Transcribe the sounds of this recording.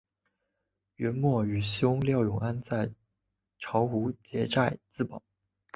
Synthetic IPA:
ɥɛ˧˥nmwɔ˥˩y˨˩ɕjʊ˥ŋljɑ˥˩ʊjʊ˨˩ŋa˥nt͡sa˥˩ɪ | ʈ͡ʂʰɑ˧˥ʊxu˧˥t͡ɕjɛ˧˥ʈ͡ʂa˥˧ɪt͡sɹ̩˥˩pɑ˨˩˦

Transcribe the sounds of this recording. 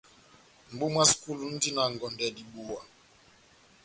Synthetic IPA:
m̩˨bu˦mwa˦sku˦lu˨n̩˦di˦na˨ŋ˨ɡɔ˨ndɛ˨di˨ɓu˨wa˨

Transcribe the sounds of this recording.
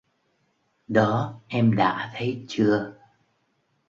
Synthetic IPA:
ɗɔ˨˦ʔɛ˧mɗa̰ː˧˥t̪ʰə˨˦jt͡ɕɨ˧ə

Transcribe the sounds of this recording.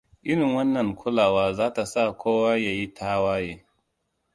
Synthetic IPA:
ʔɪ˦ɽɪ˨ŋwɐ˦nːɐ˨ŋkʰʊ˦laː˨waː˦zaː˦ta˨sa˦˨kʷoː˦wa˦ja˨ji˦tʰaː˦waː˦jeː˦

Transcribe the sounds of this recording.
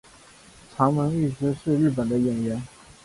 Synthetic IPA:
ʈ͡ʂʰɑ˧˥ŋmə˧˥ny˥˩ʈ͡ʂ̩˧˥ʂɻ̩˥˧ɻɻ̩˥˩p̬ə˨˩nd̪ə˦ɥɛ˨˩nɥɛ˧˥n

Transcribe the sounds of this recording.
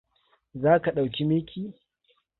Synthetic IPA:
zaː˦ka˨ɗa˨wkʲi˦mɪ˦kʲiː˦

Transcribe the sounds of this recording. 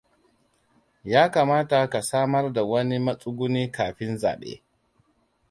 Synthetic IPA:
jaː˦kaː˨maː˦ta˨ka˨saː˦mɐ˦rda˨wɐ˦ni˦mɐ˦sʼʊ˦ɡʷʊ˦niː˦kaː˨ɸɪ˦nza̰ː˨ɓḛː˦

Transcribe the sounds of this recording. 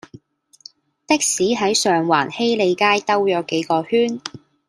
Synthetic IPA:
t̪ɪ˥k̚siː˨˥ɦɐ˨˥jsœː˨ŋwa̰ː˨˩nhe˥jle˨˧jkaː˥jt̪ɐ˥wjɔː˨˥wke˨˥jkɔː˧hyː˥n

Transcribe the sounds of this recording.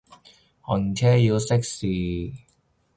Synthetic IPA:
ɔ˨˧n˨˩t͡ʃʰɛː˥ji˧wsɪ˥k̚siː˨

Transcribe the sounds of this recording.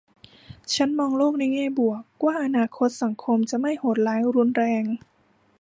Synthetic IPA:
t͡ɕʰa˦˥nmɔː˧ŋloː˥˩k̚na˧jŋɛː˥˩bu˨˩əkwaː˥˩ʔa˧naː˧kʰo˦˥t̪̚sa˩˦ŋkʰo˧mt͡ɕa˨˩ma˥˩jho˨˩t̪̚laː˨˦jɾu˧˥nɾɛː˧ŋ

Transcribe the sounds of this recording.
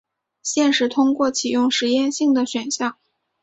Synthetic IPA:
ɕjɛ˥˩˧nʂɻ̩˧˥t̪ʰʊ˥ŋkwɔ˥˩t͡ɕʰi˨˩jʊ˥˩ŋʂɻ̩˧˥jɛ˥˧nɕi˥˩ŋd̪ə˩ɕɥɛ˨˩nɕjɑ˥˩ŋ

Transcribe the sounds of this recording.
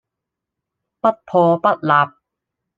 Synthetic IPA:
pɐ˦˥t̚pʰɔː˧pɐ˦˥t̚laː˨˧p̚

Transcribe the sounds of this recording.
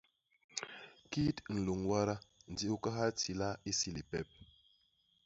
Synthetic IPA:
ki˦tn̩˨lu˨ŋwa˦ɾa˦n̩˨di˦u˦ka˦ɦa˦ti˨la˦i˦si˦li˨pɛ˦p̚

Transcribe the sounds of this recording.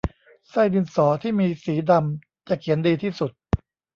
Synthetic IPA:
sa˥˩jdi˧nsɔː˩˦t̪ʰiː˥˩miː˧siː˩˦da˧m | t͡ɕa˨˩kʰi˩˦əndiː˧t̪ʰiː˥˩su˨˩t̪̚

